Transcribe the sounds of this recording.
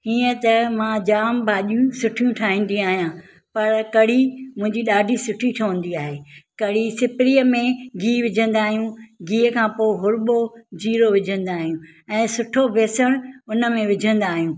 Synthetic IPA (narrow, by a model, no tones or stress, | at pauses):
ɦiːə̃t̪ɐmãːd͡ʑaːmbʱaːʄijũsʊʈʰijũʈʰaːɦɪ̃ːnd̪ĩaːɦijãː | pɐɾkɐɽimʊ̃ɦɪ̃ɲd͡ʑiɗaːɖʱisʊʈʰiʈʰɐʋə̃n̆d̪iaːɦeːkɐɽisɪpɪɾiːəmẽɡiːʋɪd͡ʑʱə̃nd̪aːɦijũɡiːəkʰãːpoːɪɦʊɾɓod͡ʑiːɾoʋɪd͡ʑʱə̃nd̪aːɦijũ | ɛ̃ːsʊʈʰobʱeːsəɽ̃ʊnəmẽʋɪd͡ʑʱə̃nd̪aːɦijũː